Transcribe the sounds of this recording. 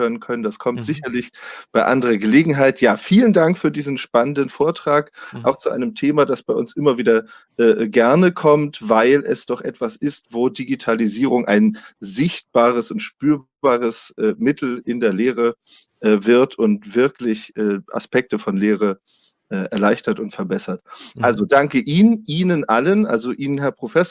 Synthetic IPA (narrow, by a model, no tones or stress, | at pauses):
øːənkʰœnəndaskʰɔmtz̥ɪçɐlɪçb̥aɪʔa̰ndəʁɐɡəleːɡŋ̩ɦaɪtjaːfiːləndaŋkfyːɐdiːzn̩ʃpanəndənfoːɐtʁ̥aːkʔa̰ʊxt͡suʔa̰ɪnəmtʰeːmadasb̥aɪʔʊnsʔɪmɐviːdɐ | ʔɛːɡɛɐnəkʰɔmtvaɪlʔɛsd̥ɔχʔɛtv̥asɪstv̥oːdiɡitʰaliziːʁʊŋʔa̰ɪnzɪçt̚b̥aːʁ̞əsʊntʃpyːɐbaːʁəsʔɛːmɪtʰl̩ɪndeːɐleːʁə | ʔɛːvɪɐtʰʊntv̥ɪɐklɪçʔɛːʔa̰spɛk̚təfɔnleːʁ̞ə | ʔɛːʔɛ̰ɐlaɪçtɐtʊntfɛɐbɛsɐtʔʔalzodaŋkəʔiːnnʔiːnənʔalənʔa̰lzoʔiːnənɦɛɐpʁ̥ofɛs